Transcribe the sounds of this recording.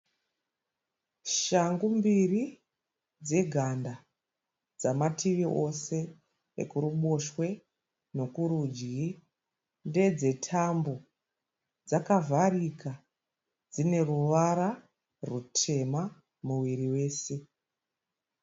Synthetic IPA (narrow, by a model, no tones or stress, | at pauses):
ʃaŋɡumbiri | d͡ze̞ɡʱanda | d͡zamatʰiʋiʔo̞se̞ | ḛkuɾuɓo̞ʃwe̞ | no̞kuɾud͡ʒɡi | nde̞d͡ze̞tʰambo̞ | d͡zakavarika | d͡zine̞ruʋaɾa | rutʰe̞ma | muwiɾiwe̞ːse̞